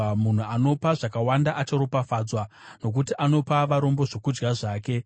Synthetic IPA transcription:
mun̤uano̞paʐakawandaʔat͡ʃoɾopafaːd͡zwa | no̞k̬utiʔano̞paʋaɾo̞mbo̞ʐokud͡ʒɡaʐaːke̞

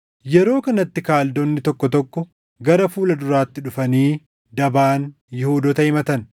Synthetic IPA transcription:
jɛɾo̞ːkɐnɐt̪ːɪkaːld̪onːɪt̪ɔkːɔt̪ɔkːɔ | ɡɐɾɐfuːlɐd̪ʊɾaːt̪ːɪᶑʊfɐniː | d̪ɐbaːn | jɪhuːd̪ɔt̪ɐɪmɐt̪ɐn

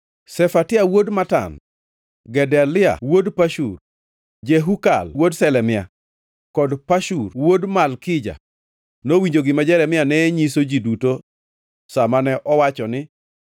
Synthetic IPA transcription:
sɛfatɪawodmata̰n | ɡɛdɛlɪa̰wodpaʃur | d͡ʒeɦuka̰lwodsɛlɛmɪa | kɔdpaʃurwodmalkɪd͡ʒa̰ | nowiɲd͡ʒoɡɪmad͡ʒɛlɛmɪanɛɲisod͡ʒiduto | samanɛʔɔwat͡ʃɔnɪ

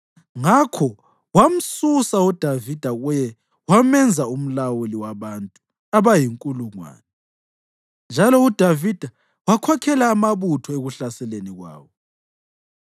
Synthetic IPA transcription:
ŋakʰɔ | wam̩susaud̥ʱavid̥ʱaɣujɛ | wamɛnd͡zʱaum̩lawuliwaβantʼu | aβajiŋkʼuluŋwa̰ːnɛ | nd͡ʒʱalɔud̥ʱavid̥ʱa | wakʰwakʰɛlaːmaβutʰɔeɣuɬasɛleniɣwa̰ːwɔ

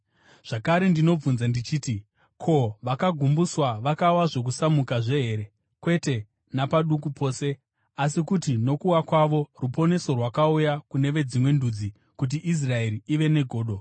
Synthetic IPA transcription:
ʐ̥akaɾe̞ndino̞b͡vunzandit͡ʃiːti | kʰo̞ʋakaɡʱumbuswaʋakawaʐo̞k̬usamukaʐe̞ɦe̞ɾe̞ | kwe̞te̞ | napaɗuk̬upʰo̞ːse̞ | asikutino̞kuwakwaʋo̞rupo̞ne̞so̞rwakaujakune̞ʋe̞d͡zimwe̞ndud͡zi | kut̬iʔis̬rae̞ɾiiʋe̞ne̞ɡʱo̞ːɗo̞

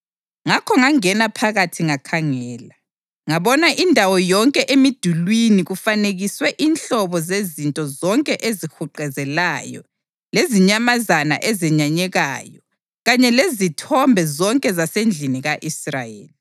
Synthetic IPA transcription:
ŋakʰɔŋaŋɛnapʰaɣatʰiŋakʰaŋɛːla | ŋaβɔnaʔindʱawɔjɔŋkʼɛʔemid̥ʱulwiniɣufaneɣiswɛʔinɬɔβɔzezintʼɔzɔŋkʼɛʔezixuǃɛzɛlajɔ̰ | leziɲamazana̰ʔɛzɛɲaɲɛɣaːjɔ | ɣaɲɛlezitʰɔmbʱɛzɔŋkʼɛzasend͡ɮʱiniɣaʔisra̰jḛːli

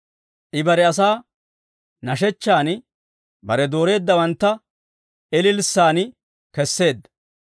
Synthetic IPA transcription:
ʔɪbɐɾɛɐs̬aː | nɐʃɛt͡ʃːaːn | bɐɾɛd̪o̞ːɾe̞ːd̪ːɐwɐnt̪ːɐ | ʔɛlɪlsːaːn | kɛsːe̞ːd̪ːɐ

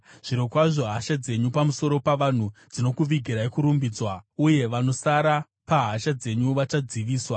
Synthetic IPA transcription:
ʐ̥iɾokwaʐo̞ɦaʃad͡ze̞ɲupamuso̞ɾo̞paʋan̤ud͡zino̞kuʋiɡʱiɾaekuɾumbid͡zwauje̞ʋano̞saɾa | paɦaʃad͡ze̞ɲuʋat͡ʃad͡ziʋiːswa

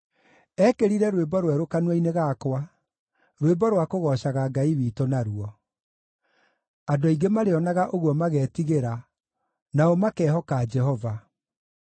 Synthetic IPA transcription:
ɛkeɾiɾɛɾwebɔɾwɛɾokanwaineɣakwa | ɾwebɔɾwakoɣɔʃaɣaɡaiwiːtonaɾuɔ | adoiɡemaɾeɔnaɣaʔoɣwɔmaɣɛtiɣeɾa | naɔmakɛːɦɔkad͡ʒɛɦɔva

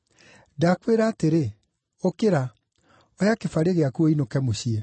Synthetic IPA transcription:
dakweɾaːteɾe | okeɾa | ɔjakefaɾeɣeakuoinokɛmoɕiɛ

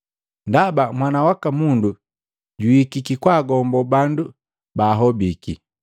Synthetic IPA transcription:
ndabamwanawakamundu | ɟuikikikwaːɡɔmbɔbandu | baːɦɔbiki

